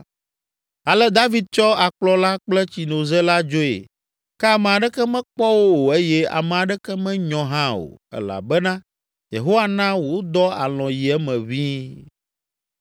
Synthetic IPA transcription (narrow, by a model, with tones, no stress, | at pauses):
a˨lɛ˦d̪a˦vi˦d̪̚t͡ʃɔ˦a˨k͡plɔ˦la˦k͡plɛ˦t͡ɕi˨no˨zɛ˦la˦d͡ʒo˦ḛ˨ | kɛ˦a˨mɛ̃˨a˨ɖɛ˦kɛ˦mɛ̃˦k͡pɔ˦wo˦wo˨e˦jɛ˦a̰˨mɛ̃˨a˨ɖɛ˦kɛ˦mɛ̃˦ɲɔ̃˨ɦã˦o̰˨ɛ̰˦la̰˨bɛ˦nã˦ | jḛ˨ɦo˦wa˨nã˦wo˨˦d̪ɔ˦a̰˨lɔ̃˨ji˨ɛ˦mɛ̃˨βi˦